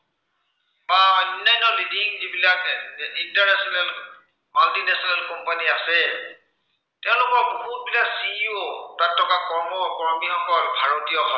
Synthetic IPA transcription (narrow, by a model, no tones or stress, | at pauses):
baɔnːajnɔlidiŋzibilakintaɹnɛsɔnɛl | maltinɛsɔnalkɔmpaniasɛ | tɛʊ̃lʊkɔɹbuɦut̚bilaksiuotatʰːɔkakɔɹmɔkɔɹmiɔŋkɔlbʱaɹotijɔɦɔ